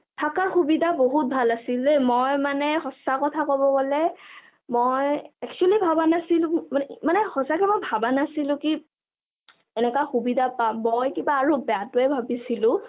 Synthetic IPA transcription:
tʰakaɹxubidʱaboɦut̚bʱalasilɛmojmanɛxɔsakɔtʰakɔbɔɡɔlɛ | mojɛk̚t͡ʃualibʱabanasilʊ̃mmanɛhɔsakɛmɔjbʱabanasilʊ̃ki | ɛnɛkaxubidʱapamːojkibaːɹubɛatʊɛbʱabisilʊ̃

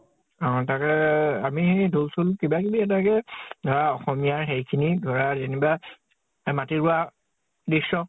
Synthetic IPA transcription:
ɔ̃takɛamidʱulsulkibakibiɛtakɛdʱɔɹaɔxɔmijaɹɦejkʰinidʱɔɹazeniba | matiɹua | disɔ

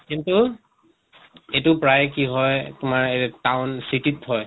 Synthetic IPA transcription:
kintu | etʊpɹajkiɦɔjtʊmaɹetawnsititɦɔj

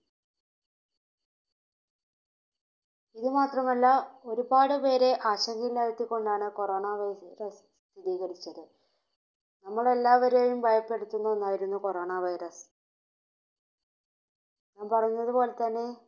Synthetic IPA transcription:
iðɨmaːt̪rɐmɐlːɐo̞ɾubaːɽɨpe̞ːɾe̞ʔaːɕɐŋɡɐilɐjɐt̪ːikːo̞ɳɖaːɳɨko̞ro̞ːɳɐʋɐjɾɐs | t̪ʰiðiːɣɐɽit͡ɕːɐðɨ | nɐmːɐɭe̞lːaːʋɐɾeːjumbʱɐjɐpːe̞ɽut̪ːunːuenːaːjiɾunːuko̞ro̞ːɳɐʋɐjɾɐs | ɲaːmpɐrɐjunːɐðupo̞ːle̞t̪ɐnːe̞

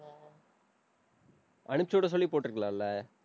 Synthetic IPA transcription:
ʔɐɳɯt͡ʃːoːɽɐsɔlːipoːʈːɪɾɯkːɐɭaːlːɐ

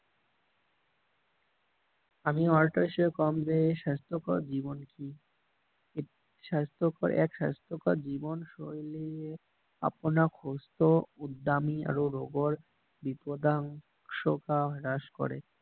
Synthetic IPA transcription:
amiɔɾʈaiʃɔekɔmd͡ʑeʃast̪ʰokɔɾd͡ʑibonki | e | ʃast̪ʰokoɾʔɛ̰kʃa̰st̪ʰokɔd͡ʑibonʃojlie | a̰ponakʰost̪oud̪ːamia̰ɾoɾoɡoɾ | bit̪od̪aŋ | ʃokaɾaʃko̰ɾe

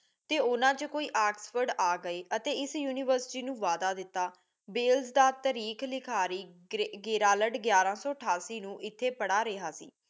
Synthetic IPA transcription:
t̪eːʊnãːt͡ʃkoːiːʔaːksfəɾɖaːɡəeːʔət̪eːɪsjuːniːʋəɾsʈiːnũːʋaːd̪aːd̪ɪt̪ːaː | beːlzd̪aːt̪əɾiːkʰlɪkʰaːɾiːɡeːɾaːləɖɡjaːɾãːsɔːəʈʰaːsiːnũːʔɪt̪ʰːeːpəɽaːɾeːɦaːsḭː

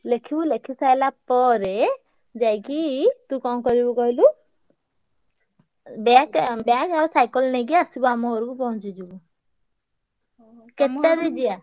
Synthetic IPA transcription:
lekʰibulekʰisajlapɔɾe | d͡ʒajkit̪ukɔ̃kɔɾibuɡɔjlu | bakbakaɾsajkɔlnɛɡiasibamɔkɔɾukupɔɦɔ̃t͡ʃid͡ʒibu | ket̪ːaɾed͡ʒija

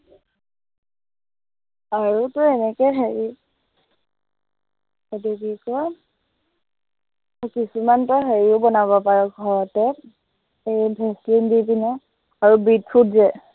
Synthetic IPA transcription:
aɹutɔɛnɛkɛjɦeɹi | ɔdeɡikɔ | kisumantɔɦeɹiʊbɔnabɔpaɹɔɡʱɔɹɔtɛ | ejbʱɛslindipinɛ | aɹubitfʰutzɛ

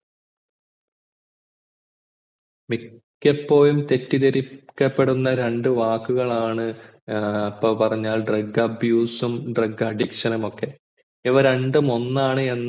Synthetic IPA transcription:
mikʲːɐpːo̞ːlumt̪e̞tːit̪ɐɾikʲːɐpːe̞ɽunːɐɾe̞ɳɖɨʋaːkːuɣɐɭaːɳɨ | ɐpːoːlpɐrɐɲːaːlɖrɐɡɐbʱjuːsumɖrɐɡɐɖikʂɐnɐmo̞kːe̞ | iʋɐɾe̞ɳɖumo̞nːaːɳɨe̞nːɐ

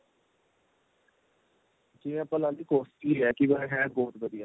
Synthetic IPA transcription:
kiãːpəlãːd̪iːkoːst̪iːeːɛːkɪʋəɦɛ̃ːboːt̪bəd̪ijaː

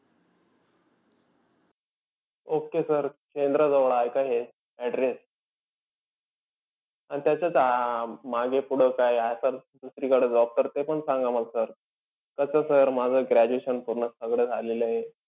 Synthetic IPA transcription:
okesəɾkend̪ɾəd͡zəʋɭajkaɦe | ɛɖɾes | añit̪jat͡ɕjat͡samaɡepuɽ̤əkajajsəɾd̪usɾiːkəɽ̤ed͡zɔp̚t̪əɾt̪epəɳsãŋɡamalsəɾ | kəsəsəɾmad͡zʱəɡɾæd͡ʑueɕənpuɾɳəsəɡɽeːd͡zʱaleləɦe

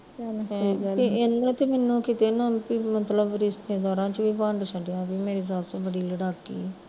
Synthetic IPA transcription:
ienãːt̪eːmɛːnːũːkiːt̪eːnãpiːmət̪ləbɾɪsd̪ẽːd̪ɔːɾãːt͡ʃʋiːpãːɳɖsəɖjãːbiːmeːɾiːsaːsabəɽiːləɽaːkḭː

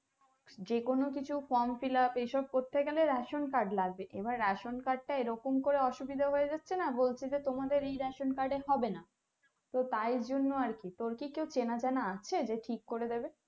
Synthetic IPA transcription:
d͡ʑekonokit͡ɕʰufɔɾmfilapejʃɔb̚koɾt̪ʰːekɛleɾɛʃonkaɾɖlaɡ̚beʔebaɾːaʃonkaɾɖ̚ʈaeɾɔkomkoɾeɔʃubid̪ʱaɦoed͡ʑatːɕʰenabolt͡ɕʰed͡ʑet̪omad̪eɾejɾɛʃonkaɾɖeɦɔbena | t̪ot̪ajɾd͡ʑonːoaɾkit̪oɾkikewt͡ɕenad͡ʑanaat͡ɕʰed͡ʑeʈʰikːoɾed̪ebe

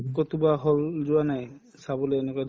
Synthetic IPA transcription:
kɔt̪ubaɦɔld͡ʒʊanaj | sabɔleːnekɔad

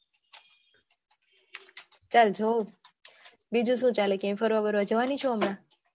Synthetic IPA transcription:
t͡ʃalt͡ʃʰo | bid͡ʒũʃũːt͡ʃaləkemfəɾʋabəɾʋad͡ʒəʋanit͡ʃʰoəmna

